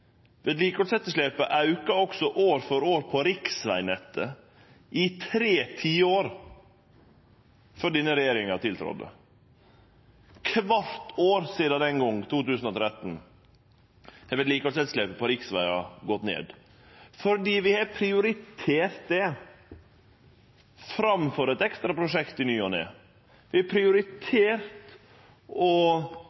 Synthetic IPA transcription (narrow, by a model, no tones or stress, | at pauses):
ʋɛd̪liːkosɛt̪ːəʂleːpəʔɑʉkɑɔksɔʔoːɾfɔɾoːɾpʰɔɾɪksʋæ̰ɪnɛt̪ːə | ʔɪt̪ʰɾeːt̪ʰiːəoːɾ | fɔɖɪnəɾɛjeːɾɪŋɑt̪ʰɪlt̪ʰɾɔ̰d̪ːə̰ | kʰʋɑɾt̪ʰoːɾsiːd̪ɑd̪ɛŋɡɔŋt̪ʰuːt̪ʉːsn̩ɔːt̪ʰɾɛt̪n̩ | hɛʋɛt̪liːkɔsɛt̪slɛpəpʰɔɾɪksʋæɪɑɡɔt̪nḛːd̪ | fɔɾɖiːʋɪhɑɾpʰɾɪʊɾɪt̪ʰeːɾt̪̚d̪ɛ | fɾɑmføɾəɛt̪ɛkst̪ɾɑpɾʊʂɛkt̪ɪnyːɔnḛ | ʋɪɑpʰɾɪʊɾɪt̪ʰeːɾt̪ | ʔɔ